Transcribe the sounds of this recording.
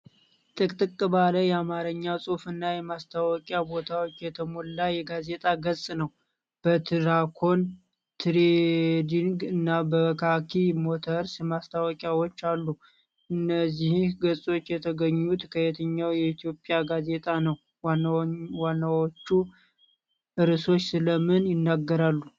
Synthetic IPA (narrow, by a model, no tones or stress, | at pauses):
t̪ʼɨkʼt̪ʼɨkʼɨbaləjɛamaɾəɲːawsʼofɨnːajɛmast̪ʰawɔkʼjabo̞t̪ʰawot͡ʃːjɛt̪ʰəmolːajɛɡaze̞t̪ʼaɡəsʼnəw | b̥ət̪ʰɨɾakʰo̞n | t̪ʰɾed̪iŋɡɨnːabəkʰakʰimot̪ʰəɾsmast̪ʰawɔkʼjawot͡ʃːalːu | ʔɨnːəzːihihɡəsʼo̞t͡ʃːjɛt̪ʰəɡəɲːut̪kʰəjɛt̪ʰəɲːawjɛit̪ʰijo̞pʼjaɡaze̞t̪ʼanəw | wanːawot͡ʃːu | ʔɨɾɨso̞t͡ʃːsɨləmɨnjɪnːaɡːəɾalːu